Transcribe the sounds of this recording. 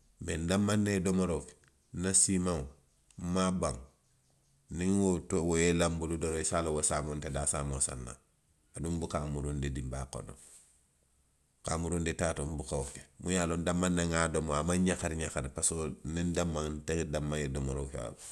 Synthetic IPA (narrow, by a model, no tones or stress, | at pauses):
mendamːanːedomoɾoke̥ | nasimaŋ | mabaŋ | niŋwotowojelambuludoɾoisalowosamontedasamosa̰nːa̰ | adumbukamuɾundedimbako̰no̰ | kamuɾuːndetatombukawke̥mujaːlondamːanːeŋadomoamaɲakaɾɲakaɾpasonindamːaŋnteŋdamːaedomoɾokewa̰b